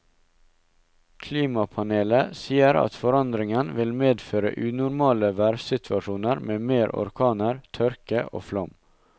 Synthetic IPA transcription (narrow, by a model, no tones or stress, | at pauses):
kʰliːmɑpʰɑneːləsiːəɾɑ̰t̪fɔɾɑnd̪ɾɪŋənʋɪlmeːd̪føːɾə̰ʔʉːnʊɾmɑːləʋæɾsɪt̪ʰʋɑʂuːnəɾmeːmeːɾʔɔ̰ɾkʰɑːnəɾt̪ʰœɾkəʔo̰ːflɔm